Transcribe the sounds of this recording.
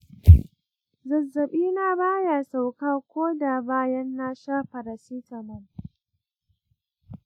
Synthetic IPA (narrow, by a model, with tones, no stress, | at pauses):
zɐ˨zːɐ˨ɓiː˦naː˦baː˦jaː˨sa˨wkaː˦kʷoː˦da˨baː˦jɐ˦nːaː˦ʃaː˦ɸɐ˨ɾa˨siː˦tɐ˨mɐ˦n